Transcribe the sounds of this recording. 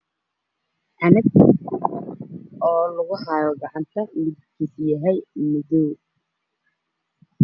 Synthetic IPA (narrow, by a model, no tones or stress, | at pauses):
ʔɐnɪɡ | ɔːlʊɣʊɦɑjɔɡɑʕɑnt̪ʰɐlɪdkʰisjɐɦɛjmɪðɛː